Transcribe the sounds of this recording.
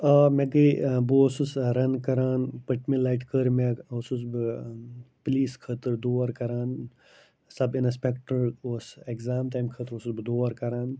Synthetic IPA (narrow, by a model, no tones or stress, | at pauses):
ameɡibuosusɾɐnkɐɾaːnpəʈmilaːjʈkəɾmeosusb | pliːskʰət̪ɨɾd̪oːʋaɾkɐɾaːn | sɐbinɐs̬pekʈəɾosekzaːmʈaːjmkʰət̪ɾosusbɨd̪oːaɾkɐɾaːn